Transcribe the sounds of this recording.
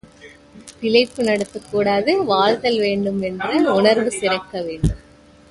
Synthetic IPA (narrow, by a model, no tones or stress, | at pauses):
t̪ɪlɐɪpːɯnɐɽɐt̪ːɯkːuːɽaːðɯʋaːɻt̪ɐlʋeːɳɖɯmɛndrɯʊɳɐɾʋɯsɪɾɐkːɐʋeːɳɖɯm